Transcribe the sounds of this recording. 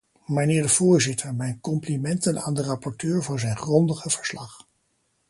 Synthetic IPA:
mənɪːɹdəv̥ʊːɹzɪtʰəɹmɛjnkɔmplimɛntəna̰ːndərɑpɔɹtøːɹvʊːɹzɛjnχrɔndəχəv̥əɹslɑχ

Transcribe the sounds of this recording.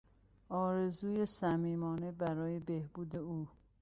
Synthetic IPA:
ɒːɾe̞zuːjesæmiːmɒːne̞bæɾɒːjebehbuːd̪e̞uː

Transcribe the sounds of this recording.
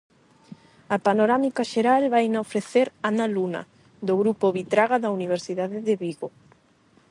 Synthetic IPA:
ɐpanoɾamikaʃeɾalβajnaofɾeθeɾanalunɐ̰ | d̪oɣɾupoβit̪ɾaɣaðɐuniβ̞eɾsiðaðɪðeβiɣo

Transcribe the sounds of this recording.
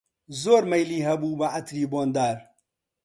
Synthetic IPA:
zoːɾmɐjliːɦɐbuːbɐʔɐt̪ɾiːboːnd̪aːɾ

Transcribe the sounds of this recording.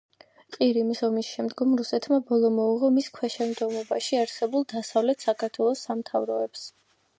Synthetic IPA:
qʼiɾimisɔmisʃɛmd̪ɡɔmɾusɛt̪ʰmabɔlˠɔmɔuʁɔmiskʰwɛʃɛmd̪ɡɔmɔbaʃiaɾsɛbulˠd̪asavlɛt̪ʰsakʰaɾt̪ʰwɛlˠɔsːamt̪ʰavɾɔɛps

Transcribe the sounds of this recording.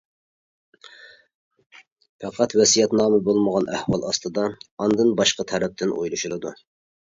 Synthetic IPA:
pʰɛqʰɑt̪wɛsijɛt̪nɑːmɨbolˠməʁɑnʔæhwɑlˠɑst̪ɨd̪ɑɑnd̪ɨnbɑʃqɑt̪ʰɛɾɛp̚t̪ʰɪnʔṵjlˠuʃulˠɨd̪u

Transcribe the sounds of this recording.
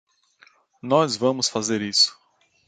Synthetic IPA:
nɔzvɐ̃mʊsfazeɾisʊ̥

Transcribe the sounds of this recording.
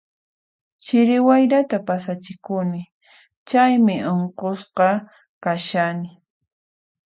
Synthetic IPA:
t͡ʃɪɾɪwajɾat̪apasat͡ʃɪkʊnɪ | t͡ʃajmɪoɴqosqɑ | kaʃanɪ

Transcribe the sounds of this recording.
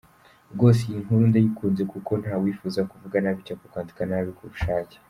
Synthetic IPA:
ɡo̞ːs̬ejiŋuɾundajikuːnze̞kuko̞n̥haːwiːfuzakuvuɡanaβicakukaːndikanaβikuβuʃaːce̥

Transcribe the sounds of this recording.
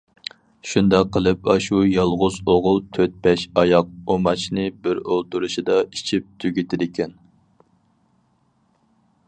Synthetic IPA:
ʃund̪ɑqʰːəlˠɨpɑʃujɑlˠʁʊzoʁʊlˠt̪ʰøt̪̚bɛʃɑjɑq̚omɑt͡ʃʰnɨbɪɾolˠt̪uɾuʃid̪ɑit͡ʃʰip̚t̪ʰyɡʲit̪ʰɪd̪ɪkʲʰɛn

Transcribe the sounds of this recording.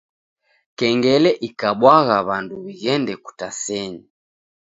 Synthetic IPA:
kɛŋɡɛlɛʔikaɓwaɣaβanduβiɣɛndɛku̥tasɛɲi

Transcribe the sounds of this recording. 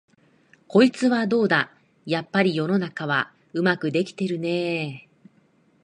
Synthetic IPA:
ko̞it͡sɨβad̪o̞ːd̪a | japːaɾʲijo̞no̞nakaβ̞a | ɯ̟makɯ̟d̪e̞kʲi̥t̪e̞ɾɯ̟neː

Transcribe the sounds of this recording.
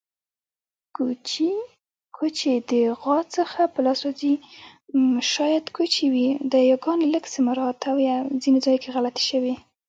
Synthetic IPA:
kʰot͡ʃed̪əɣɑt͡səxapəlɑswɑzi | ʃɑjad̪kʰot͡ʃewid̪əjaɡɑnləɡsɪmaɾɑt̪ʰawjazined͡zɑjkeɣalat̪ʃəwe

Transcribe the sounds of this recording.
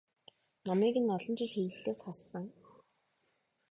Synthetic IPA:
nɔmiːɣɘ̆nɔɮɞ̆nt͡ɕɪ̆ɮxewɮeːsχasːə̆ŋ

